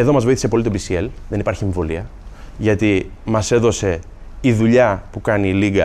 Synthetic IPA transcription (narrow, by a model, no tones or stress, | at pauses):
e̞ðo̞mɐzvoiθise̞po̞lit̪pisie̞lðe̞nipɐɾçie̞ɱvo̞liɐ | ʝɐt̪i | mɐse̞ðo̞se̞ | iðuʎɐpukɐniliɡɐ